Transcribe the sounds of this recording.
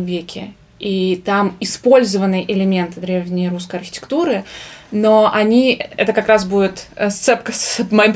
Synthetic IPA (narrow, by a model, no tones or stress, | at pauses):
mvʲekʲɪ̰ | it̪amɪspo̞lʲzəvənːɨəʔɪlʲɪmʲe̞nt̪ɨd̪ɾʲevnʲɪjɾuskəjɐrxʲɪ̥tʲɪ̥kt̪uɾɨno̞ʔɐnʲiɛ̰t̪əkakɾasbudʲɪt̪st̪sɛpkəsvmɐim